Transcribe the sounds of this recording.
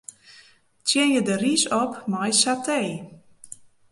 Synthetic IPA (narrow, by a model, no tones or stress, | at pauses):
tjɪnjədərisɔpmajsatʰej